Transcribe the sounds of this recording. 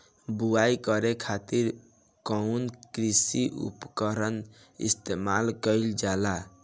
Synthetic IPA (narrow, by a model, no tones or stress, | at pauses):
buajkəɾekʰat̪iɾ | kɔunkɾisiʔṵpkəɾən | ḭst̪emalkəɪld͡ʒala